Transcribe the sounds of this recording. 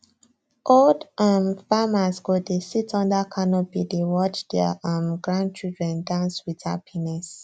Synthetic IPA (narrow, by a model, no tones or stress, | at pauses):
ʔoldʔãmfamasɡodesitʰɔ̃ndakʰanɔbidewɔt͡ʃd̥ɛʔãmɡɹãnd̚t͡ʃildɹɛ̃ndãnswida̰pʰinɛs